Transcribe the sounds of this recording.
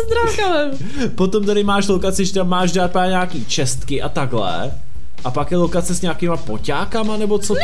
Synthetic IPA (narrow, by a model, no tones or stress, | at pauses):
zd̪ɾaːkalɛm | pot̪omt̪aɾɪmaːʃlokat͡sɪʒɛt̪amːaːʃdaːt̪̚paːɲaːkiːt͡ʃɛst̪kɪʔat̪aɡlɛ̰ | ʔapakjɛlokat͡sɛsɲaːkɪmapo̞caːkamanɛbo̞t͡so